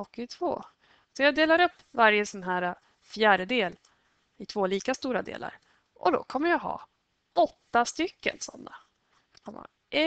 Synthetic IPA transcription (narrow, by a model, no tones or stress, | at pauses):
ɔkɪt̪ʰvo̰ː | sɔjɑːd̪eːlaɾɵpːvaɾjəsɔnɦæːɾa | fjæːɖəd̪eːl | ɪt̪ʰvoːliːkast̪uːɾad̪ḛːla̰ɾ | ʔɔd̪ɔ̰kʰɔmːəɾjɑɦɑ̰ː | ɔt̪ːast̪ʏkːə̰nsɔ̰nːa | kʰɔmə̰hɑ